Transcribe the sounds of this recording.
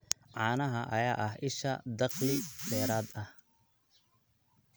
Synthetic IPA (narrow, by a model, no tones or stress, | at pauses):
ʕɑːnɐɦɐʔɐjaːʔɐɦʔɪʃɐ̰d̪ɑqlɪd̪ɛːɾaːd̪ɐh